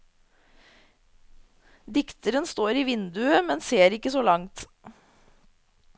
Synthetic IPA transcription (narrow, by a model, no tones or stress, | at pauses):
d̪ɪkt̪əɾənst̪oːɾiːʋɪnd̪ʉəmɛnseːɾɪkəsoːlɑŋt̪